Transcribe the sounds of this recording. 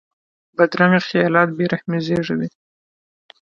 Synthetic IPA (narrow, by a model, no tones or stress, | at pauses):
bad̪ɾaŋexijɑlɑt̪̚beɾahmezeʐed̪i